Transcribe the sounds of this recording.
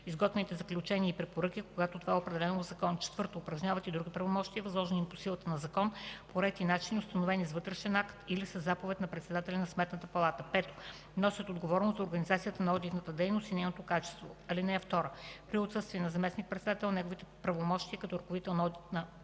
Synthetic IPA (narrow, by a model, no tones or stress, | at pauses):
izɡɔt̪vɛnit̪ɛzɐklʲut͡ʃɛniəipɾɛpoɾɤk̟ʲikoɡat̪ot̪ovaɛopɾɛd̪ɛlɛnozɐkɔnt͡ʃɛ̥t̪vɤɾt̪oːpɾɐʒɲʲavət̪id̪ɾuɡʲipɾɐvomɔʃt̪iəvɐzlˠɔʒɛniposilˠət̪ənɐzɐkɔnpoɾɛt̪inat͡ʃiniʊst̪ɐnovɛnizvɤt̪ɾɛʃɛnakt̪ilisəzːapovɛt̪nɐpɾɛt̪sɛd̪at̪ɛlʲɛnɐsmɛt̪nət̪əpɐlˠat̪əpɛt̪o̥ | nɔsʲət̪od̪ɡovɔɾnost̪ɐoɾɡɐnizat̪sijət̪ənɐɔd̪it̪nət̪əd̪ɛjnost̪inɛjnot̪okat͡ʃɛ̥st̪vo̰ɐlinɛft̪ɔɾəpɾiot̪sɤst̪viɛnɐzɐmɛsnik̚pɾɛt̪sɛd̪at̪ɛlˠnɛɡovit̪ɛpɾɐvomɔʃt̪iəkɐt̪ɔɾɐkovit̪ɛlˠnɔd̪it̪nə